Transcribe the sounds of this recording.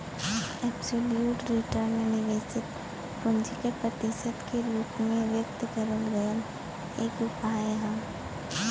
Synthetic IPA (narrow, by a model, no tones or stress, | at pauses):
ɛːbsoːljuːʈɾɪʈəɾnmẽnɪʋeːsɪt̪ | pʊ̃nd͡ʒikepɾət̪ɪʃəd̪keloːkmẽʋjək̚t̪ɡəɾəmɡəjən | eːkʊpaːẽɦə̃m